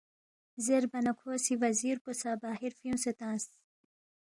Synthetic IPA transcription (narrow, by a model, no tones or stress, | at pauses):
zeɾbɐnɐkʰoːsiʋɐziːɾposabaːɦiɾfiũset̪ãːs